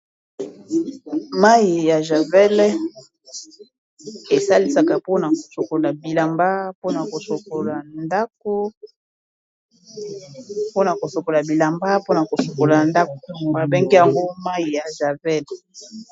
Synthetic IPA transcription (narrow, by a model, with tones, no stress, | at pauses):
ma˦i˨ja˨ʒa˨vɛ˦l | e˨sa˦li˦sa˨ka˨po˦na˨ko̥˨so˨ko˨la˨bi˨la˨mba˦po˦na˨ko˨so˨ko˨la˨nda˦k̚o˦ | po˦na˨ko˨so˨ko˨la˨bi˨la˨mba˦po˦na˨ko˨so˨ko˨la˨nda˦ko˨mba˨be˦ŋɡe˦ja˨ŋɡo˦ma˦ji˨ja˨ʒa˨vɛ˦l